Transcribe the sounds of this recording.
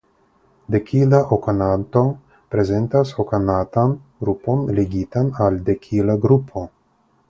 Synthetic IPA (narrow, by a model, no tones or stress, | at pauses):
d̪ekʰilaʔokanant̪o̞ | pɾezent̪asokanat̪anɡɾupo̞nleɡit̪anald̪ekʰilaɡɾupʰo̞